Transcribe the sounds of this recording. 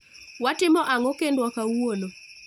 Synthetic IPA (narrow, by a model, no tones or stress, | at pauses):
watɪmɔʔaŋɔkendwakawwono